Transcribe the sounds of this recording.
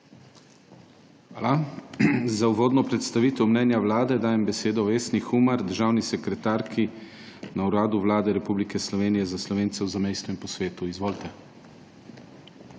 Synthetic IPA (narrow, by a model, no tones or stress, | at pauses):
xʋaːla | zauʋoːd̪nɔpɾɛt̪st̪aʋiːt̪ɛwmnɛːnjawlaːd̪ɛd̪aːjɛmbɛseːd̪ɔʋeːsnixumaɾd̪əɾʒaːwnisɛkɾɛt̪aːɾkʰi | nauɾaːd̪uʋlaːd̪ɛɾɛpublikɛslɔʋeːnijɛzaslɔʋeːnt̪sɛwzamejst̪ɔinpɔsʋeːt̪uizʋoːlt̪ɛ